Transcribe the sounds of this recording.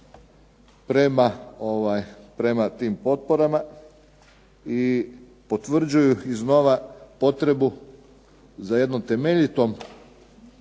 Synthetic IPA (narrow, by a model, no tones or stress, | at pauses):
pɾemaoʋajpɾe̞mat̪iːmpo̞t̪̚poɾama | i | po̞t̪ʋr̩d͡ʑujuizno̞ʋapo̞t̪ɾe̞bu | zaje̞d̪no̞mt̪e̞meʎit̪om